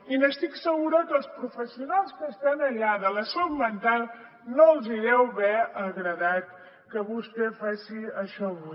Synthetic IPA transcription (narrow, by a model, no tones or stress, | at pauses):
inəst̪iksəɣuɾəkəlˠspɾufəsiunalˠskəst̪anəʎaðələsommənt̪alˠ | noəlˠziɾɛwβɛəɣɾəðat̪ | kəβust̪ɛfasiəʃɔβu